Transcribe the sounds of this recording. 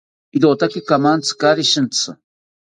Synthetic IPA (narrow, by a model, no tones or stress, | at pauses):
iɾot̪akikamant͡sʰɨ̥kaɾiʃɨnt͡sʰɨ